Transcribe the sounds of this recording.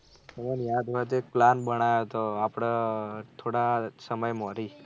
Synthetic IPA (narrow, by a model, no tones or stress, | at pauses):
səmenjad̪ʋat̪ek̚planbəɽ̃ajot̪oapɽ̃at̪ʰoɽasəməjmɔɾi